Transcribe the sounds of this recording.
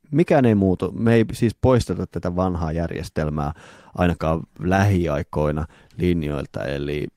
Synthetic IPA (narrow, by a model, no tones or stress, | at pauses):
mikæːneimuːt̪umeisiːspoist̪et̪ːɑt̪t̪ːæt̪æʋɑnɦɑːjærjḛst̪elmæː | ʔɑ̰inɑkɑːlæɦiɑiko̞inɑ | linjo̰ilt̪ɑ̰ḛlḭ